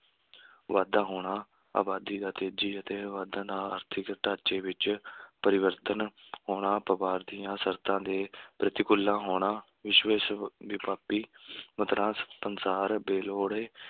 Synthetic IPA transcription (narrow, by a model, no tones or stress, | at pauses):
ʋaːd̪ãːɦoːɽaː | a̰ːbaːd̪iːd̪aːt̪eːd͡ʒiːət̪eːʋaːd̪ãːnãːa̰ːɾt̪ʰɪkʈaːt͡ʃeːʋɪt͡ʃpəɾɪʋəɾt̪ənɦoːɳ̃aːpəʋaːɾd̪ɪjãːsəɾt̪ãːd̪eːpɾət̪ɪkʊlːãːɦoːɳ̃aː | ʋɪʃʋeːsʋɪpaːpiːmət̪ɾãːspənsaːɾbeːloːɽeː